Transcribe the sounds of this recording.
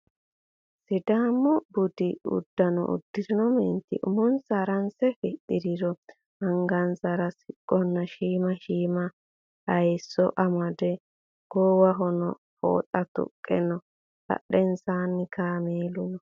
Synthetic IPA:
sɪd̪aːmːɔbʊd̪ɪʊ̰d̪ːɐnɔ̰ʔʊ̰d̪ːɪdɪnɔmɛnt̪ɪ̰ʔʊmɔnsaɾɐnsɛfɪd̪ɪd̪ɪɾɔ | hɐŋɡɐnsɐɾɐsɪkʼːɔnːɐʃiːmɐʃiːmɐ | hɐjsːɔ̰ʔɐmɐd̪ɛ | ɡ̥oːwɐɦɔnɔ | fo̰ːt̪ʼɐt̪ʊ̰kʼːɛnɔ | b̥ɐ̰ɗɛnsaːnːɪkʰaːmeːlʊnɔ

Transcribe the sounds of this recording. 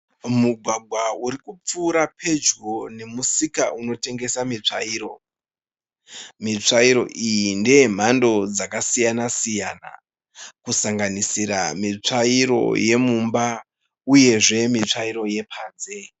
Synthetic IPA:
muɡʱwaɡʱwauɾikup͡fuːɾapʰe̞d͡ʒɡo̞ne̞musika̰ʔuno̞te̞ŋɡe̞samit͡ʂaiːɾo̞ | mit͡ʂaiɾo̞̰ʔijinde̞m̤ando̞d͡zakasijanasijana̰ | kusaŋɡanisiɾamit͡ʂaiɾo̞̰je̞mumba | uje̞ʐe̞mit͡ʂaiɾo̞je̞pʰaːnze̞

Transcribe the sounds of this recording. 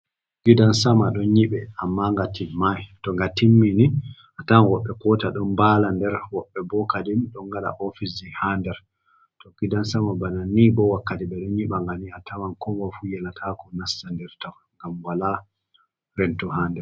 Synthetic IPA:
ɡ̥idansamaɗɔnɲiɓɛamːaŋɡatimajtɔŋɡatimːiniʔatawɔɓːɛkɔtaɗɔnbalandɛɾwɔɓːɛbɔkadimɗɔŋɡaɗa̰ʔɔfisihandɛɾ | tɔɡ̥idansamabananibɔwakːatiɓɛɗɔnɲiɓaŋɡaniatʰawankʰɔɡɔfujɛnatʰakɔnasːandɛɾtɔ | ŋɡamwala | ɾɛntɔhaːndɛɾ

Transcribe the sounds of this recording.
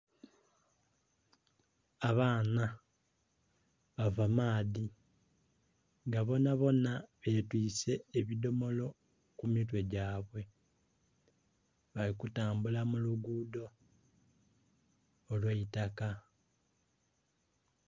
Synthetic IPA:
aβaːna | βavamaːði | ŋɡaβo̞naβo̞naβe̞twiːse̞ːβido̞mo̞lo̞ | kumitwe̞ɟaːβwe̞ | βalikutaːmbulamuluɡuːdo̞ | lweitaka

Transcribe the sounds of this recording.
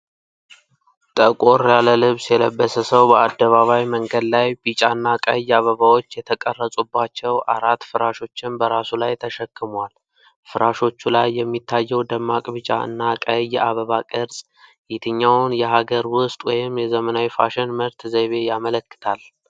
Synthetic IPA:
t̪ʼəkʼoɾjaləlɨβsjɛləbːəsəsəwbəad̪ːəβaβajməŋɡəd̪lajbɨt͡ʃʼaɨnːakʼə̰jaβəβawo̞t͡ʃːjɛt̪ʰəkʼərːəsʼubːat͡ʃːɛwʔaɾat̪ːfɨɾaʃo̞t͡ʃːɪnbəɾasulajt̪ʰəʃɛkːɨmwal | fɨɾaʃo̞t͡ʃːulajːɛmːit̪ʰːajːɛwd̪əmːakʼbɨt͡ʃʼa̰ɨ̰nːakʼəjːɛaβəβakʼɨɾz̥ʼ | jɪt̪ʰɨɲːawnjɛɦaɡəɾwʊst̪ʼwɔjɪmjɛzəmənawjfaʃɪnməɾt̪ʰzeβe̞jamələkːɨ̥t̪ʰal

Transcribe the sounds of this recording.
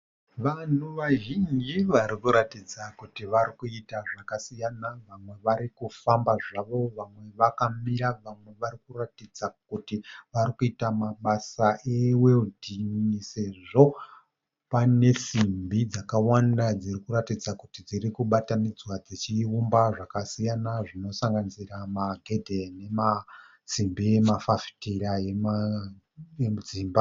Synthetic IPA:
ʋan̤uʋaʒind͡ʒiʋaɾikuɾatid͡zakutiʋaɾikuitaʐakasijanaʋamwe̞ʋaɾikufambaʐaʋo̞ʋamwe̞ʋakamiɾaʋamwe̞ʋaɾikuratid͡zakutiʋaɾikuitamaɓasaʔeweludʱinise̞ʐo̞ | pane̞simbid͡zakawandad͡zirikuɾatid͡zakutid͡ziɾikuɓatanid͡zwad͡zit͡ʃiumbaʐakasijanaʐino̞saŋɡanisiramaɡʱe̞dʱe̞ne̞ma | simbiemafafi̥tiɾajem | jemud͡ziːmba

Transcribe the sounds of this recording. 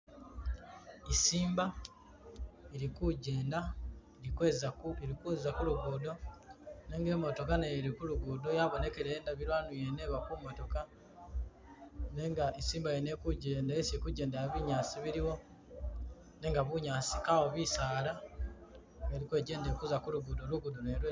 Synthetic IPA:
isiːmba | eɾikuɟe̞ːnda | ɾizeɾikuzakuluɡuːdo̞ne̞ŋɡe̞ːmo̞to̞kanajeɾikuluɡuːdojaβo̞ne̞keɾeːndaβilwanujene̞βakumoto̞ka | ne̞ŋɡaesiːmbaene̞kuɟe̞ːndaesekuɟe̞ːndaβiɲaːsiβiɾiwo̞ | ne̞ŋɡaβuɲaːsi̥kawoβisaːla | ŋɡeɾikwe̞ːɟe̞ːndekuzakuluɡudoluɡudonelwe

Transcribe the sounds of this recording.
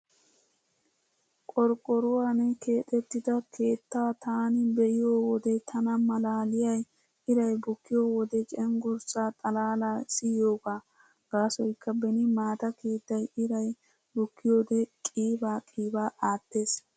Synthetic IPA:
kʼɔɾkʼːɔɾʊwaːnɛke̞ːt̪ʼɛt̪ːɪd̪ɐkʰe̞ːt̪ːaːt̪aːnɪbɛjɪjoːwɔd̪ɛt̪ʰɐnɐmɐlaːlɪjɐj | ɪɾɐjbʊkːɪjoːwɔd̪ɛt͡ʃʼɛŋɡʊɾsaːt̪ʼɐlaːlasɪjoːɡaː | ɡ̥aːsɔjkʰːɐbɛnɪmaːt̪ɐke̞ːt̪ːɐjɪɾɐj | bʊkːɪjoːd̪ɛkʼiːbaːkʼiːbaːʔaːt̪ːe̞ːs

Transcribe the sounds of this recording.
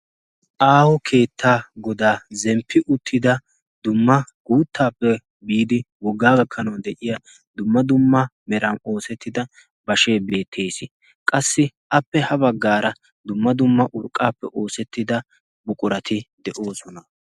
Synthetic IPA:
ʔaːhɔkʰe̞ːt̪ʰːaːɡɔd̪aːzɛmpʰːɪʔʊt̪ʰːɪd̪ɐ | d̪ʊmːɐɡ̥uːt̪ːaːpːɛ | biːd̪ɪwɔɡːaːɡɐkʰːɐnɐwd̪ɛʔɪja | d̪ʊmːɐd̪ʊmːɐmɛɾɐno̞ːsɛt̪ːɪd̪ɐ | bɐʃe̞ːbe̞ːt̪ʰːe̞ːsɪ | kʼɐsːɪʔɐpːɛhɐbɐɡːaːɾɐ | d̪ʊmːɐd̪ʊmːɐʔʊɾkʼːaːpːɛʔo̞ːsɛt̪ːɪd̪ɐ | bʊkʼʊɾɐt̪ɪd̪ɛʔo̞ːsɔnɐ

